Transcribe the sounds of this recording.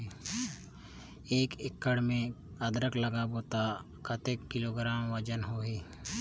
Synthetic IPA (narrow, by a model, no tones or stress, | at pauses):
eːkɪkːəɽmẽ | əd̪ɾəkləɡaboːt̪a | kʰət̪ekkɪloːɡɾaːmʋəd͡ʒənɦoːɦiː